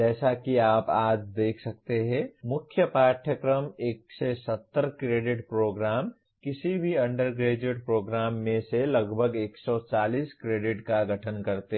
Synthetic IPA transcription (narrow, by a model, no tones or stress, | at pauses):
d͡ʒɛːsakiaːpaːd͡ʒd̪eːkʰsɐk̚t̪eɦɛ̃mʊkʰːjəpaːʈʰjəkɾəmeːksesət̪ːəɾkɾeːɖɪʈpɾoːɡɾaːm | kɪsibʱiɐ̃ɳɖəɾɡɾeːd͡ʒeɖpɾoːɡɾaːmːẽseləɡbʱəɡeːksɔt͡ʃaːliːskɾeːɖɪʈkaɡʱəʈʰənkɐɾt̪e